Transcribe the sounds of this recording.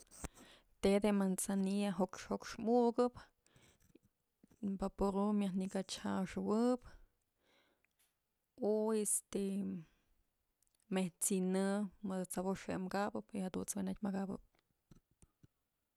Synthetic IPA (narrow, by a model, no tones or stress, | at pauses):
t̪ed̪emansaniaɦokʂhokʂmuʔɡɨp | bapoɾumjahnikat͡ʃha̰ʂɨwɨp | ojest̪e | meht͡sinɨmɨd̪ɨt͡saboʂhemkabɨpihad̪unt͡swenat̚ʲmakabɨ̰p̚